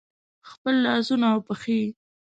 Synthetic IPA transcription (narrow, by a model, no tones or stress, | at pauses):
xpəlːɑzunawpəxi